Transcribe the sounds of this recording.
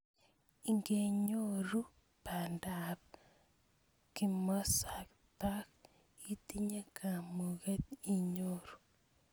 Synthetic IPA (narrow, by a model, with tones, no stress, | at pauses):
i˨ŋɡe˨ɲo˦ɾu˦ | pa˨ndap̚ | ki˨mɔ˦sa˨k | ta˦k | i˦ti˦ɲe˦kʰa˨mu˨ɣe˦t̪i˦ɲo˦ɾu̥˨